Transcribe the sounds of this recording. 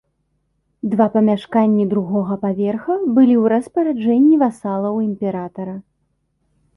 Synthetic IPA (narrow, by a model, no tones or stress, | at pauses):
d̪vapɐmʲaʂkanʲːid̪ɾuɣɔɣɐpavʲɛrxɐbɨlʲiwɾɐspɐɾad͡ʐɛnʲːivasalˠɐwimʲpʲɛɾat̪ɐɾɐ